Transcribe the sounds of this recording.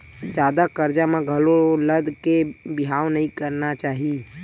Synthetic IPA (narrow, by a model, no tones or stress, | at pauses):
d͡ʒaːd̪akəɾd͡ʒamãɡʱəloləd̪kebɪɦaːʋnəɦĩkəɾnat͡ʃaːɦi